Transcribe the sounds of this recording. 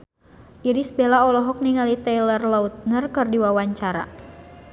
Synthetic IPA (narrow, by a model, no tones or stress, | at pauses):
ʔiɾisbelaɔlɔɦɔk̚niŋalit̪ɛlərlaut̪̚nərkɨrdiwawaɲt͡ʃaɾa̰